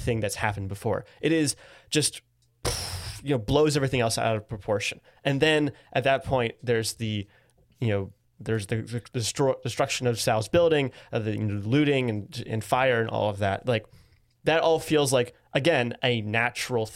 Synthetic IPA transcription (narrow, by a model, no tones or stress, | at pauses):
θɪ̃ŋðɨtshæpn̩bɨfɔ̰ɹʔɨɾɪzd̥ʒ̥ʌst̚ | jɨnoʊbloʊzɛvɹiθɪ̃ŋɛlˠsa̰ʊɾʌv̥pʰɹ̥əpʰɔɹʃɨ̃n | ɨ̃nðɨ̃nʔɨt̪̚ðɨt̚pʰɔ̃ɪ̃nðə˞zðɨ | jɨnoʊ | ðə˞zðɨðɨd̥ɨstɹd̥ɨstɹ̥ʌkʃɨ̃nʌv̥sɛlˠzb̥ɪlˠdɪ̃ŋðɨjɨ̰noʊlʉɾɪ̃ŋɨ̃nɨ̰̃nfaɪə˞ɨ̃nʔɔ̰lˠʌvðæ̰t̚laɪk̚ | ðɨɾʔɔlˠfilˠzlaɪk | ʔɨɡɛ̃nɨnæt͡ʃɹl̩ˠ